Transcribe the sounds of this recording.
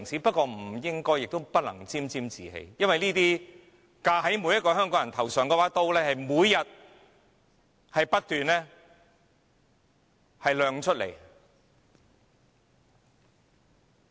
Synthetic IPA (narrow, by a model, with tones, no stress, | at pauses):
ŋsiː˨˥pɐ˥t̚kɔː˧m̩˨˩jɪ˥ŋkɔː˥jɪ˨k̚t̪o˥wpɐ˥t̚lɐ˨˩ŋt͡siː˥mt͡siː˥mt͡siː˨hḛ˧jjɐ˥nwɐ˨jniː˥t̪iː˥ | kaː˧ɦɐ˨˥jmu˨˧˥jɐ˥tkɔː˧ɦœː˥ŋkɔː˨˥ŋjɐ˨nt̪ʰɐ˨˩wsœː˨˩ŋkɛː˧waː˨˥t̪o˥wlɛː˥hɐ˨jmuː˨˧jːɐ˨t̚ | hɐ˨jpɐ˥t̚t̪yː˨nlɛː˥ | hɐ˨jlœː˨˧ŋt͡ʃʰɵ˥t̚lḛ˨˩j